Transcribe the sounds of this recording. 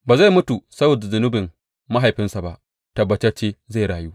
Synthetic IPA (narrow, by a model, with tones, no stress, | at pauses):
baː˨za˦jmʊ˦tu˨sɐ˦boː˨da˨zʊ˨nʊ˦bɪ˨m | ma˦ɦa˨jɸɪ˦nsa˨ba˦ʔ | tɐ˨bːɐ˨t͡ʃɛ˦rt͡ʃeː˦za˦˨ɽaː˨juː˦